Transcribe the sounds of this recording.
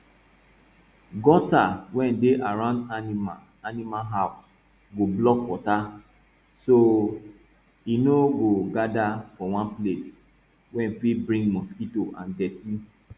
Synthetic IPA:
ɡɔtawɛ̃ndeʔaɹãʊ̃ndanima | animalɦaʊs | ɡoblɔkwɔta | so | inoɡoɡadafɔwãnples | wɛ̃nfibɹĩŋɡmɔskitoʔã̰ndɛti

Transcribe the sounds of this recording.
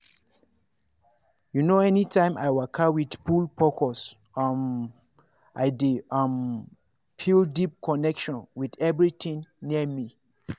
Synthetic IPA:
junoɛnitʰãɪ̃mʔa̰jwakʰawidpulpʰɔkʰɔs | ʌm | ʔajdiʌm | pʰildip̚kʰɔnɛkʃɔ̃nwidɛvɹit̪ĩŋniəmi

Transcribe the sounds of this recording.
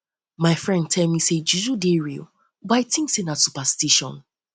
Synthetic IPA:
maɪfɹɛ̃nd̚tʰɛlmised͡ʒuʒudeɹḭl | baɪtĩŋsẽnatsupastiʃɔ̰̃n

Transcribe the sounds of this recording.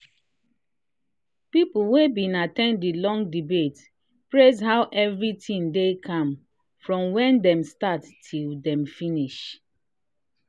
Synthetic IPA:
pipl̩webĩnatɛ̃nddilɔ̃ŋdibet | pɹezɦaʊʔɛvɹitĩndekʰãm | fɹɔ̃mwɛ̃ndɛ̃mstatːʰildɛ̃mfiniʃ

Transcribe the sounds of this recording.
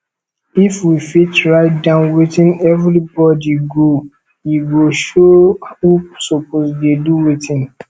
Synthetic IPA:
ifwifit͡ʃɹaɪtdãʊ̃nwetĩnɛvɾibɔdiɡo | jiwiʃohusɔpʰosdeduwetĩn

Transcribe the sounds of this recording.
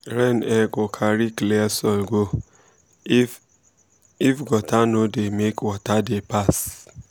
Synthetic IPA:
ɾɛnɛɡɔkʰaɾikleasɔɡʷo | ifɡɔtanodemekwɔtadepas

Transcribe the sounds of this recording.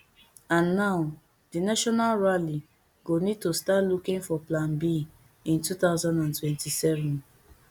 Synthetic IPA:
ãnːaʊ | dinaʃɔnalɹali | ɡonid̚tostatlukĩŋfɔplãnbi | ĩntut̪aʊzãndãntwɛ̃ntisɛvɔ̃n

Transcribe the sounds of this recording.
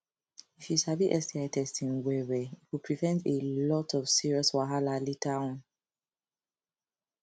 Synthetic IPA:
ifjiʃabiʔɛstiaɪtʰɛstĩnwɛɹɛit̚wipʰɹivɛ̃ntelɔtʰɔvsiɹiɔswaɦalalitʰãn

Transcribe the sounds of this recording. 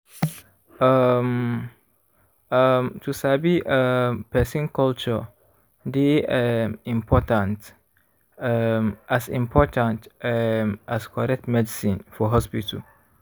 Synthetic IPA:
m | mtʰusabiəpɛsĩnkɔlt͡ʃə | d̪e | ĩmpʰɔtãnt | ʔasḭ̃mpʰɔtãnt | ʔaskʰɔɾɛk̚tmɛdisĩnfɔɦɔspitəl

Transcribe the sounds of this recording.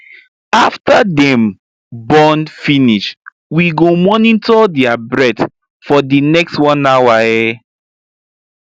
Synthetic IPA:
aftadɛ̃m | bɔ̃nfiniʃ | wiɡomɔnitɔdiabɹɛt | fɔdinɛkstwɔ̃nawaɛ

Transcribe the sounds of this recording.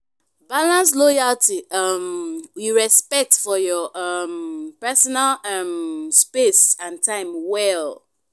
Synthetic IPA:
balãns̬lojaltiʌmwiɹɛspɛk̚tfɔjɔʔʌmpɛsɔnalmspesãntʰãɪ̃mwɛl

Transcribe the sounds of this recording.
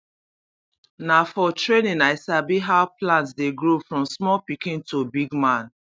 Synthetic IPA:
nafɔtɹenĩnaɪsabiɦaʊplãntsdeɡɹofɹɔ̃msmɔlpikĩntubiɡmãn

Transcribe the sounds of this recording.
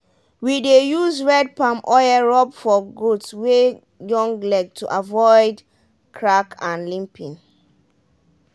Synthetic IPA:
widejuzɹɛd̚pãmʔɔjəɹɔpfɔɡutswe | jɔ̃ŋɡlɛɡ̚tʰuʔavɔɪd | kʰɹakʰãnlĩmpʰĩŋ

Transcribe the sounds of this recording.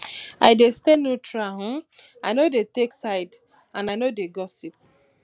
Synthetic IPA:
ajdestenotɾaɦʊ̃ | anodeteksaɪd | ãnanodeɡɔsip̚

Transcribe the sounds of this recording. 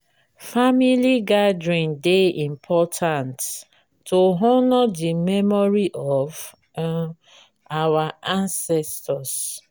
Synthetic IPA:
familiɡadɹĩndeʔĩmpʰɔtʰãntː | oɦɔnɔdimɛmɔɾiʔɔv | awaʔãnsɛstɔs

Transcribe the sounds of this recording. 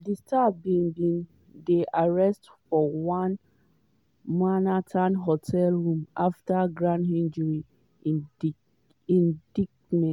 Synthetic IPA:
distʰabĩŋbĩn | deʔaɹɛstfɔwãn | manatʰãnɦotʰɛlɹũmaftaɡɹãndhĩnd͡ʒɹi | ĩnd̥ik | nɛ̃

